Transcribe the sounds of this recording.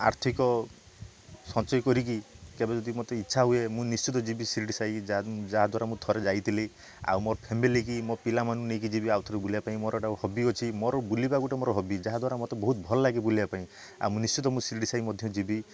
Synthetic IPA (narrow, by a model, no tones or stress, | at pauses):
a̰ɾt̪ʰikɔ | sɔ̃t͡ʃɔjkɔɾik̬ikebed͡ʒɔd̪imɔt̪eitːʃʰaɦuemũnist͡ʃit̪ɔd͡ʒibisiɾiʈisajd͡ʒad͡ʒaɦad̪waɾamũt̪ʰɔɾed͡ʒajt̪ʰile | a̰wmɔɾɔpʰemilik̬imɔpilamanũnejk̬id͡ʒibiawt̪ʰɔɾebuliapaĩmɔɾɔeʈauhɔbiɔt͡ʃʰimɔɾɔbulibakuʈemɔɾɔɦɔbid͡ʒaɦad̪waɾamɔt̪ebɔɦut̪̚bʱɔlɔlaɡibulibapaĩ | a̰wmũnist͡ʃit̪ɔmũsiɾiʈisaimɔd̪ʱjɔd͡ʒibi